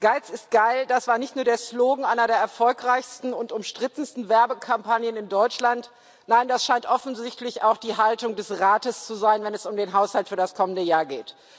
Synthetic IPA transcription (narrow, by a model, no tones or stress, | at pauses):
ɡ̥aɪt͡sɪst̚ɡ̥aɪld̥asv̥aːɐnɪçtnuːɐdeːɐsloːɡŋ̩ʔaɪnɐdeːɐɛɐfɔlkʁ̥aɪçstn̩ʊntʊmʃtʁ̥ɪtn̩stn̩vɛɐbəkʰampʰanjənɪndɔʏt͡ʃlant | naɪndasʃaɪntʔɔfn̩zɪçtlɪçaʊxd̥iːɦaltʊŋdɛsʁaːtəst͡suzaɪnvɛnɛsʊmdeːnɦaʊshaltfyːɐdaskʰɔməndəjaːɐɡeːt